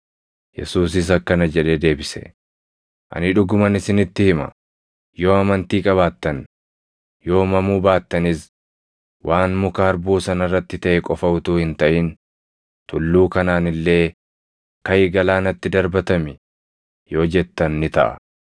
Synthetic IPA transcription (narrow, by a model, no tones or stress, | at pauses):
jɛ̰suːs̬ɪs̬ɐkːɐnɐd͡ʒɛᶑe̞ːd̪e̞ːbɪsɛ̥̰ | ʔɐ̰nɪᶑʊɡʊmɐnɪsɪnɪt̪ːɪhɪmɐ̰ | jo̞ːɐmɐnt̪iːkʼɐβaːt̪ːɐn | jo̞ːmɐmuːbaːt̪ːɐnɪs | wʔaːnmʊkɐɐɾbuːsɐnɐrːɐt̪ːɪt̪ɐʔɛkʼɔfɐʔʊt̪uːhɪnt̪ɐʔɪn | t̪ʊlːuːkɐnaːnɪlːe̞ː | kkɐjɪɡɐlaːnɐt̪ːɪd̪ɐɾbɐt̪ɐmɪ | jo̞ːd͡ʒɛt̪ːɐnːɪt̪ɐ̰ʔɐ̰